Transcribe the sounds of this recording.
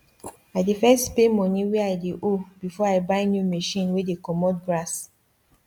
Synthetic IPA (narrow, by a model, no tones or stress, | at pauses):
aɪdefɛstpemɔ̃niwɛaɪdeʔobifɔaɪbaɪnjumeʃĩnwedekɔmɔt̚ɡɹas